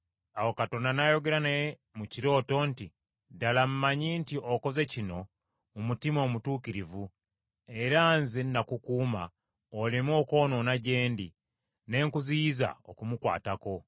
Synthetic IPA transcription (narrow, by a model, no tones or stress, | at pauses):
awo̞kato̞ndanajo̞ɡe̞ɾane | muciɾo̞ːto̞nti | dalamumaɲintiʔoko̞ze̞cino̞ː | mutimo̞ːmutuːkiɾivu | e̞ɾanzinnakukuːma̰ | olimwo̞ko̞ːno̞naɟe̞ːndi | ne̞ːŋkuziiza̰o̰kumukwa̰ːtako̞